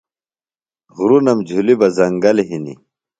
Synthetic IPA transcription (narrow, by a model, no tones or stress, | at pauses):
ɣɾunɐmd͡ʑʱulibɐzɐŋɡɐleɦinḭ